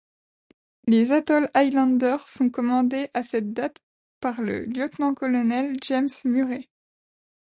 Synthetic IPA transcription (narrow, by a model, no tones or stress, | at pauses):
lezat̪ɔlajlɑ̃d̪œʁsɔ̃kɔmɑ̃d̪eʔasɛt̪̚d̪at̪ | paʁlə̰ljɔt̪nɑ̃kɔlɔnɛlʒɛmsmyʁe